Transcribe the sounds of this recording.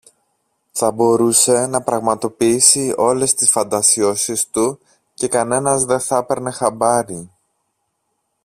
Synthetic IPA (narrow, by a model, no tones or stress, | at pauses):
θɐbo̞ɾuse̞nɐpɾɐɣmɐt̪o̞piisio̞le̞st̪isfɐnd̪ɐsio̞sist̪u | ce̞kɐne̞nɐzðe̞θɐpe̞ɾne̞xɐbɐɾi